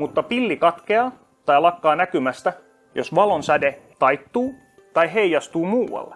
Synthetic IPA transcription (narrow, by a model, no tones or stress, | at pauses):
mut̪ːɑpilːikɑt̪keɑ | t̪ɑjlɑkːɑːnækymæst̪æ | josʋɑlonsædet̪ɑjt̪ːuː | t̪ɑjɦejjɑst̪uːmuːwɑ̰lːe